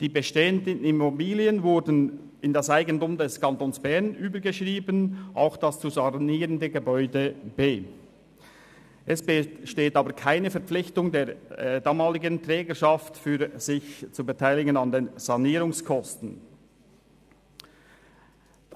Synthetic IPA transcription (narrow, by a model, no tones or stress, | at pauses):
d̥iːbəʃteːəndənnɪmobiːliənvʊɾdn | ɪndɑsaɪɡəntʊːmdɛskʰɑntoːnsb̥ɛʁnʔyːbəɡəʃʁiːbənʔa̰ʊxd̥ɑst͡suzɑniːʁəndəɡəbɔʏdəb̥eː | ʔɛsb̥əʃteːtɑːbəkʰaɪnəfɛɐp͡flɪçtʊŋdeːdɑːmɑːlɪɡəntʁɛːɡəʃɑftfyːz̥ɪçt͡subətʰaɪlɪɡənɑndeːnz̥ɑniːɾʊŋskʰɔstn̩